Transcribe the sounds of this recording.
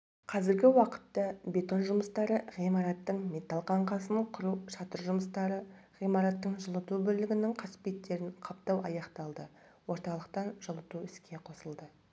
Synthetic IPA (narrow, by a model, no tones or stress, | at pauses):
qʰɑzɪɾɡʲɪwɑqə̥t̪ːɑbe̞t̪o̞nʒʊməst̪ɑɾəʁijmɑɾɑt̪ːəɴmʲe̞t̪ɑlˠqʰɑɴqʰɑsəɴqʰʊɾuʃɑt̪əɾʒʊməst̪ɑɾə | ʁijmɑɾɑt̪ːəɴʒəlˠət̪ubɵɾlɪɡʲɪnɪɴqʰɑsɪ̥pet̪ːe̞ɾɪɴqʰɑp̚t̪ɑwɑjɑqt̪ɑlˠd̪ə | wo̞ɾt̪ɑlˠəqt̪ɑnʒ̥əlˠət̪uɪskʲʰe̞qʰo̞səlˠd̪ə